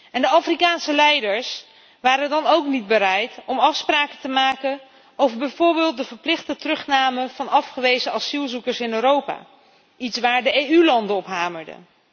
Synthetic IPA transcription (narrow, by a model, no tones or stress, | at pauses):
ɛndəɑfrikaːnsəlɛjdəɹs | ʋaːɾəndɑnowknid̚bəɾɛjtɔmɑfspraːkətəmaːkən | owvəɹbɛjvʊːɹbɪːlˠt̚dəvəɹplɪχtətərɵχnaːməv̥ɑnɑfχəʋejzəɑsilˠzukəɹsɪnøːɾowpa̰ː | itsʋaːɹdəejylɑndəɔpɦaːməɹdə̰